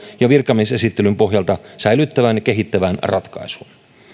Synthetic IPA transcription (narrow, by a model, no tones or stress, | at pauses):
jɑʋirkɑmise̞sit̪ːe̞lympoɦjɑlt̪ɑsæjlyt̪ːæʋænjɑkeɦit̪ːæʋænrɑt̪kɑ̰isuːn